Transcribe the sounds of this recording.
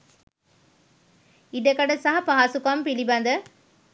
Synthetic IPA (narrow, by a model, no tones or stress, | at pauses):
iɖɐkɐɽɐsaɦɐpaaːsukːaːmpilibaːnd̪ɐ